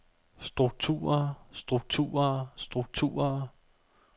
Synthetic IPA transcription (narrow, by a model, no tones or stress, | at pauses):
sd̥ʁuɡ̥̚t͡sʰṵːɐsd̥ʁuɡ̥̚t͡sʰṵːɐsd̥ʁuɡ̥̚t͡sʰṵːɐ